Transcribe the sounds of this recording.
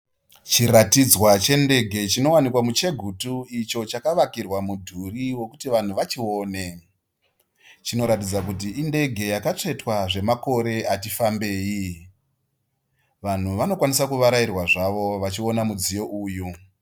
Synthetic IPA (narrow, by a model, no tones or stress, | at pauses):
t͡ʃiratid͡zwat͡ʃe̞nde̞ɡʱe̞t͡ʃino̞wanikwamut͡ʃe̞ɡʱutuit͡ʃo̞t͡ʃakaʋakirwamudʱuriwo̞kutiʋan̤uʋat͡ʃio̞ːne̞ | t͡ʃino̞ɾatid͡zak̬ut̬iʔːnde̞ɡʱe̞jakat͡ʂe̞twaʐe̞mako̞ɾe̞atifambe̞ːi | ʋan̤uʋano̞kwanisakuʋaɾairwaʐaʋo̞ʋat͡ʃio̞namud͡zijo̞ʔuːju